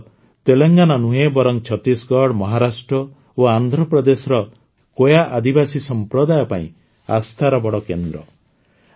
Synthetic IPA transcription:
t̪eleŋɡanɔnuɦebɔɾɔŋt͡ʃʰɔt̪isɡɔɽmɔɦaɾasʈɾɔ | oand̪ʱɾɔpɾɔd̪esɔɾɔ | kojaʔad̪ibasisɔmpɾɔd̪ajɔpaḭ̃ | a̰st̪ʰaɾɔbɔɽɔkend̪ɾɔ

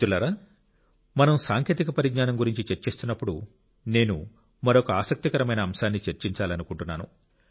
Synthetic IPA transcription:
ulaːɾaː | mɐnɐmsaːŋkʰjeːt̪̬ikɐpɐɾiɡɲaːnɐmɡuɾiɲt͡ʃit͡ʃeɾt͡ʃe̞ːst̪unːɐpːuɽu | ne̞ːnu | mɐɾokɐaːsɐk̚t̪ikɐɾɐmɐjnɐːmʃaːnːit͡ʃeɾt͡ʃiɲt͡ʃaːlɐnukuɳʈunːaːnṵ

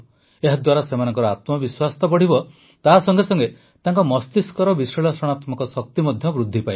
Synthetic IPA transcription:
eɦad̪waɾasemanɔ̃ŋkɔɾɔat̪mɔbiswast̪ɔpɔɽ̤ibɔ | t̪aɦsɔŋɡesɔŋɡe | t̪aŋkɔmɔst̪iskɔɾɔbisɾɔɭɔsɔɽ̃at̪mɔkɔsɔk̚t̪imɔd̪ʱjɔbɾud̪ʱːipa

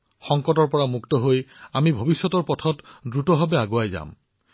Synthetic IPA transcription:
xɔŋkɔtɔɹpɔɹamuktɔɦojamibʱobisːɔtɔɹpɔtʰɔtdɹutɔbʱabɛaɡoajza̰m

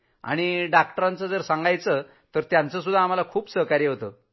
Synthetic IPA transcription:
a̰ɽ̃iɖakʈəɾant͡səd͡zəɾsaŋɡʱajt͡sə | t̪əɾt̪jant͡səs̬ud̪ʱːaːm̤alakʰuːpsəɦkaɾjəɦot̪ə

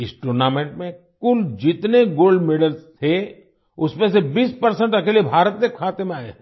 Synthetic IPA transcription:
ɪsʈoːɾnaːmẽːɳʈmẽ | kʊld͡ʒɪt̪neɡoːlɖmeːɖəlst̪ʰe | ʊsmẽsebiːspəɾsə̃ɳʈɐkeːliebʱaːɾət̪mekʰaːt̪emẽaːeɛ̃

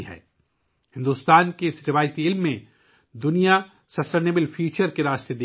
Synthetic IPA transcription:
ɦɛ̰ː | hɪ̃nd̪uːst̪aːnkeɪsɾɪʋaːjt̪iɪlmːẽ | d̪ʊnija | sɐsʈeːnebəlfʰjuːt͡ʃəɾkeɾaːst̪ed̪eː

